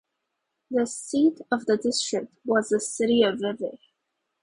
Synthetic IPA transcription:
ðɨsiɾʌvðədɪstɹ̥ɪk̚t̚wʌzəsɪɾiʌvɹɛvə

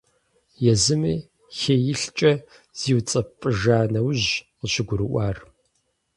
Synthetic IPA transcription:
jɛzɨmiː | xejɪɬt͡ʃʼɐ | z̥iːwt͡sʼɐpʼɨʒaːnɐwʑ | əɕɪɡʷʊɾɨʔʷaːr

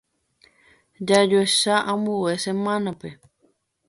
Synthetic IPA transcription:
d͡ʒad͡ʒoeʃaʔãmuwesemãnape

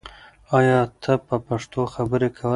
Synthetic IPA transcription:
ɑjɑt̪ʰəpəpaʂt̪oxabəɾekʰawə

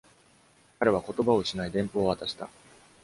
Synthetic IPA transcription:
kaɾe̞β̞ako̞t̪o̞bao̞ɕinaid̪ẽ̞mpo̞ːβat̪aɕi̥t̪a̰

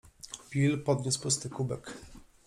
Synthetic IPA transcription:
pʲilpɔd̪ɲuspʊst̪ɘkubɛk

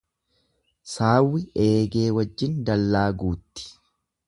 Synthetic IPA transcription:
saːwːɪʔeːɡe̞ːwɐd͡ʒːɪnd̪ɐlːaːɡuːt̪ːɪ̥

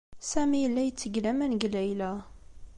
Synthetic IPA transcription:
sæmijəlːæjət͡sːəɡlæmænɡlæjlæ

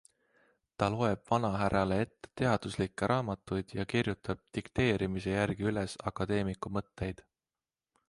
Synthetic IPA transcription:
t̪ɑlo̞e̞b̥vɑnɑɦæɾʔɑle̞e̞t̪ːe̞̥t̪e̞ɑd̪̥uslikːˑeɾʔɑːmɑt̪ːˑujd̪̥jɑkirjut̪ːɑb̥̚t̪ikt̪e̞ːɾimise̞jærɡ̥iylesɑkːɑd̪̥e̞ːmikːˑumɤt̪ːe̞jd̪̥

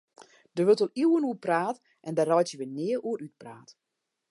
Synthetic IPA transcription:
d̥əʋølˠtɔliwənuəpraːt | ʔɛndərɔjtjəʋənɪːəuəɾyt̚praːt

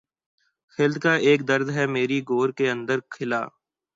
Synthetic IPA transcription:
xɪld̪kaːeːk̚d̪əɾd̪ɦɛmeːɾiɡoːɾkeə̃nd̪əɾkʰɪla̰ː

